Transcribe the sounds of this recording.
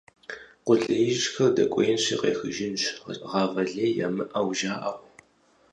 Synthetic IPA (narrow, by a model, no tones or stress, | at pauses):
qʷʊɬʼɐjʒɕxɐrdɐ̰kʷʼɔjɪnɕḭqḛːxɨʒɪnɕʁɑːvɐɮeːja̰ːmɨʔɐwʒaːʔɐʁʷ